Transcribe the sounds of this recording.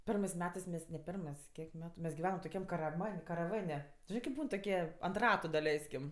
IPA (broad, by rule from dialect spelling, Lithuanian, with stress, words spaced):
ˈpʲɛrmɜs ˈmʲæːtɜs mʲɛs nʲɛ ˈpʲɪrmɜs ˈkʲiɛk ˈmʲæːtʊ mʲɛs ɡʲɪˈʋʲæːnɐm toːˈkʲɛm kɐrɐˈmɐnʲ kɐrɐˈʋɐnʲ tʊ ˈʒʲɪnɜ kʲɪp ˈbuːn toːˈkʲiɛ ɐnt ˈrɑːtʊ dɐˈlʲɛɪsʲkʲɪm